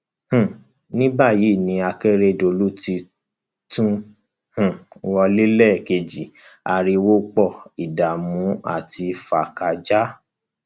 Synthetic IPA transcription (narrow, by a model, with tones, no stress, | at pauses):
h̩˨ | nĩ˦ba˦˨ji˨˦˨nĩ˧a˧ke˦ɾe˧˨do˧˨lu˦ti˧ | tũ˦ | hũ˨wɔ˧li˦lɛ˦˨ke˧d͡ʒi˨a˧ɾi˧wo˦k͡pɔ˦˨i˨da˨mũ˨˦a̰˦˨ti˧fa˨ka˨d͡ʒa˦